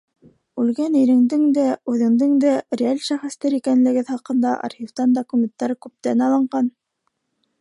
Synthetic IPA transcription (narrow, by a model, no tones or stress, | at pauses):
ʉlɡæniɾɘ̆ŋd̪ɘŋd̪æʉðɘ̆ŋd̪ɘŋd̪ærʲɪalʲʃæχɘ̆st̪æɾikænlɘ̆ɡɘðχɑqɤ̆nd̪ɑʔɑ̰ɾχʲift̪ɑnd̪okumʲent̪ːɑɾɤkʉp̚t̪ænɑlˠɤ̆ɴɢɑn